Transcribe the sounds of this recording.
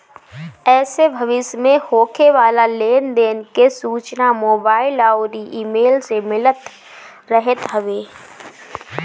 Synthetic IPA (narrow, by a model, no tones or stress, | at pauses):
ɛːsebʱɐʋɪsmẽhoːkʰeʋaːlaleːnd̪eːnkesuːt͡ʃnamoːbaːɪlaːoɾiʔiːmeːlsemɪlət̪ | ɾəɦet̪ɦɐʋeː